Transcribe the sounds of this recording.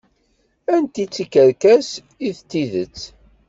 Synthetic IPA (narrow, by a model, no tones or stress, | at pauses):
ænt̪it͡sːikːəɾkæs | iðt͡s̪ːiðət͡sː